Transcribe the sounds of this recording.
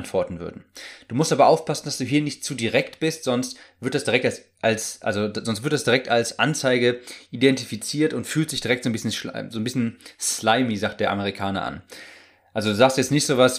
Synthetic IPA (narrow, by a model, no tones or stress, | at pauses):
ntv̥ɔɐtn̩vʏ̰ɐdn̩d̥uːmʊstʔaːbɐʔaʊfpʰasn̩d̥asd̥uːɦiːɐnɪçtt͡suːdiʁɛktb̥ɪstz̥ɔnstv̥ɪɐt̚d̥asd̥iʁɛktals | ʔalsʔa̰lzozɔnstv̥ɪɐtd̥asd̥iʁɛk̚talsʔa̰nt͡saɪɡəʔidɛntifit͡siːɐtʊntfyːlstd̥ɪçd̥iʁɛk̚tz̥oːnbɪsçənzoːnbɪsçənslaɪmizaːk̚t̚d̥eːɐʔaməʁ̞ikʰaːnɐ̰ʔa̰n | ʔalzoduːzaːkstjɛt͡stnɪçtz̥oːvas